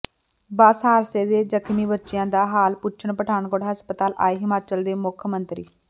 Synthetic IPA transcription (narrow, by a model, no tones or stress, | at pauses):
baːsɦaːɾseːd̪eːd͡ʒəkʰmiːbətːʃɪjãːd̪aːɦaːlpʊt͡ʃʰəɳpəʈʰaːnkoːɽɦəspət̪aːlʔa̰ːeːɦɪmaːt͡ʃəld̪eːmʊkʰmənt̪ɾḭː